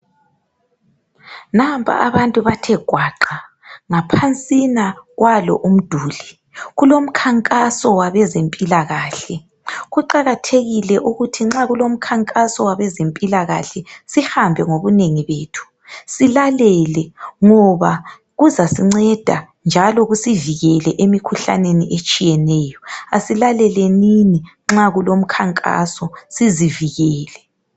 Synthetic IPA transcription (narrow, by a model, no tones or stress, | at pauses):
nampʼʰa̰ʔaβantʼuβatʰɛɡ̥ʱwaǃa | ŋapʰant͡sʼinaɣwalɔ̰ʔum̩d̥ʱuːli | ɣulom̩kʰaŋkʼasɔwaβɛzempʼilaɣaːɬɛ | ɣuǃaɣatʰeɣilɛʔuɣutʰiŋ͡ǁaɣulom̩kʰaŋkʼasɔwaβɛzempʼilaɣa̰ɬɛsihambʱɛŋoβuneŋiβeːtʰu̥ | silalɛlɛŋɔβa | ɣuzasiŋ͡ǀɛd̥ʱa | nd͡ʒʱalɔɣusiviɣɛlɛʔemikʰuɬa̰neniʔet͡ʃʼijɛnɛːjɔasilalɛlɛnini | ŋ͡ǁaɣulom̩kʰaŋkʼa̰sɔsiziviɣɛːlɛ